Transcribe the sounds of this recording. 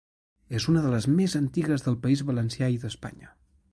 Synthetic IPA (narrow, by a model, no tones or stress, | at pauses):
ezunəðələzmezənt̪iɣəzðəlˠpəizβələnsjaiðəspa̰ɲə